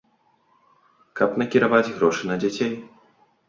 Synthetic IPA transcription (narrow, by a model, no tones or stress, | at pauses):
kɐpnɐkʲiɾavad͡zʲɣɾɔʂɨnɐd͡zʲat͡sʲej